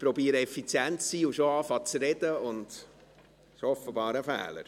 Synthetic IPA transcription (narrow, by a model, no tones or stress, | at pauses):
pɾɔbiːəɾəɛfit͡sjæntsiːuʃoɑːfɑt͡sɾɛd̥̪əʊnd | ʃoɔfəbɑːɾəfæ̰ːlə̰ɾ